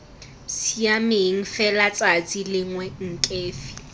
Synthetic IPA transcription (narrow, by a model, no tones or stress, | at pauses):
siamɪɦiŋ̩fɛlat͡sʼat͡sʼilɪŋwɛŋ̩kʼeːfi̥